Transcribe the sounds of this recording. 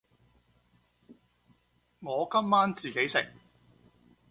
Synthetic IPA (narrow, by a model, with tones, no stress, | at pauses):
ŋɔː˨˧kɐ˥mːaː˥nt͡siː˨ke˨˥jsɪ̰˨˩ŋ